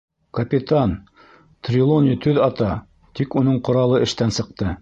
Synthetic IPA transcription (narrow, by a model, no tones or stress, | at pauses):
kɐpʲɪt̪ɑn | t̪rʲilˠonʲit̪ʰʉðɑt̪ɑ | t̪ikunɤɴqŏɾɑlˠɤɘ̆ʃt̪ænsɤ̆qt̪ɤ